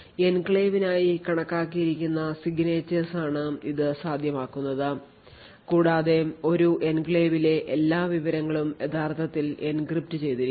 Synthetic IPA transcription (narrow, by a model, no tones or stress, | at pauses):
enkɭeːʋinaːjikɐɳɐkːaːkːijiɾikʲːunːɐsiɡneːt͡ɕːesaːɳɨiðɨsaːd̪ʱjɐmaːkːunːɐðɨ | kuːɽaːðe̞o̞ɾuʔenkɭeːʋile̞ʔelːaːʋiʋɐɾɐŋːɐɭumjet̪ʰaːrt̪ʰɐt̪ːile̞nkrip̚tɨt͡ɕe̞jt̪iɾi